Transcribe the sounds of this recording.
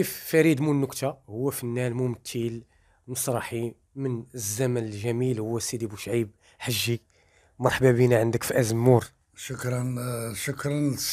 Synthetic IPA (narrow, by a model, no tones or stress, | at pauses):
kifːæɾid̪munːʊkt̪ʰahʊwːæfinːælmʊmt̪ʰːil | məsˤɾˤɑħi | mənəzːæmænəlʒæmilhʊwːæsid̪ibuʃʕib̚ | ħaʒːi | mɑɾˤħbæbinæʕənd̪əkfiʔæzəmːuɾ | ʃʊkɾˤɑnʃʊkɾˤɑns